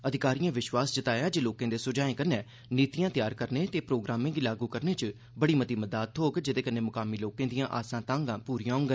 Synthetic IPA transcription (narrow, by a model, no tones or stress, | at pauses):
əd̪ʱɪkaːɾijãːʋɪʃwaːsd͡ʒət̪aːjãːd͡ʒeːloːkãːd̪eːsʊd͡ʒaːẽːkənẽː | niːt̪ijãːt̪ɪjaːɾkəɾneːt̪eːpɾoːɡɾaːmẽːɡiːlaːɡuːkəɾneːt͡ʃə | bəɽiːmət̪iːməd̪aːt̪ɦoːɡd͡ʒɪd̪eːkənːeːmʊkaːmiːloːkẽːd̪ijãːʔaːsãːt̪ãːŋɡãːpuːɾijãːŋɡə